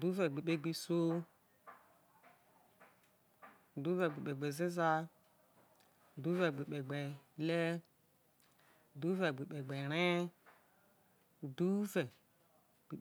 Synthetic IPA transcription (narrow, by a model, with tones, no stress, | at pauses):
du˦vɛ˨ɡ͡be˨ɓe˧ɡ͡bi˧so˦˨ | du˨˦vɛ˨ɡ͡be˨ɓe˨ɡ͡be˨ze˦za˧˨ | du˦vɛ˨ɡ͡be˨ɓe˨ɡ͡bɛ˨lɛ˦˨ | du˦vɛ˨ɡ͡be˨ɓe˨ɡ͡bɛ˨ɾɛ˦˨ | du˦vɛ˨ | ɡ͡be˨